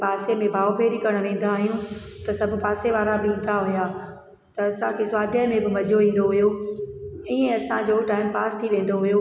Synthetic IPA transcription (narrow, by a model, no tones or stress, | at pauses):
paːsemẽbʱaːopeːɾikɐɾəɽ̃̆ʋẽːn̆d̪aːɦijũt̪ɐsɐbʱʊ̆paːseʋaːɾabɪĩːn̆d̪aɦʊjaː | t̪ɐɐsãkʰeːsaːd̪ʱjəmẽbɪmɐd͡ʑʱoʋĩːn̆d̪oɦʊjo | ɪːẽɐsãd͡ʑoːʈaːɪmpaːst̪ʰiʋẽːn̆d̪oɦʊjoː